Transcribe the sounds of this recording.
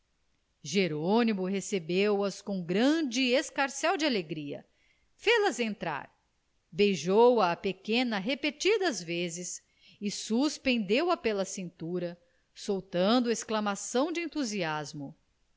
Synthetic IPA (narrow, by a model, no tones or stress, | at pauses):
ʒeɾonimʊɦesebewɐskõw̃ɡɾɐ̃d͡ʒɪeskaɾsɛwd͡ʒɪaleɡɾiɐ̰ | felɐzẽnt̪ɾa̰ɾ | bejʒowɐːpekẽnɐɦepet͡ʃid̪ɐːzvezɪs | ɪsuspẽnd̪ewɐpelɐsĩnt̪uɾɐ | sowt̪ɐ̃nd̪ʊɐesklɐmasɐ̃w̃d͡ʒɪẽnt̪uziazmʊ